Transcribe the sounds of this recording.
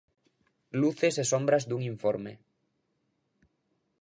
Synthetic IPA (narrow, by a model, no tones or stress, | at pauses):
luθesesombɾazd̪uŋiɱfoɾmḛ